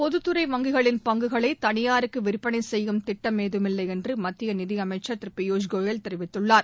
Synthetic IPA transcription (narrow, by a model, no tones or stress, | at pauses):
pɔðɯt̪ːɯɾɐɪʋɐŋɡɯɣɐɭɪnpɐŋɡɯɣɐɭɐɪt̪ɐnɪjaːɾɯkːɯʋɪɾɯpːɐɳɐɪsɛjːɯmt̪ɪʈːɐmːeːðɯmɪlːɐɪɛndrɯmɐt̪ːɪjɐnɪðɪɐmɐɪt͡ʃːɐt̪ɪɾɯpːɪjoːd͡ʒɡoːjɐlt̪ɛɾɪʋɪt̪ːɯɭːaːɾ